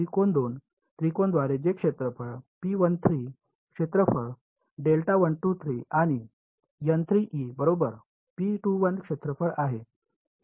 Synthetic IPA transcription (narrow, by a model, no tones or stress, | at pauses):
ikond̪on | t̪ɾikond̪ʋaɾed͡ʑekʂet̪ɾəfəɾpiʋənt̪ʰɾiː | kʂet̪ɾəfəɽ | ɖelʈaʋənʈut̪ʰɾiaɽ̃i | jənt̪ʰɾiʔibəɾobəɾ | piʈuʋənkʂet̪ɾəfəɾaɦe